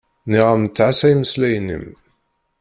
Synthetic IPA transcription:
niʁamət͡sːʕasæjməslæjnə̰m

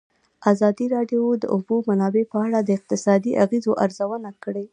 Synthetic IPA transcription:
azɑd̪iɾɑɖjod̪ə̰ʔubomanɑbepəaɽad̪əɪq̚t̪ɪsɑd̪iʔaɣizoʔaɾzawənakəɽe

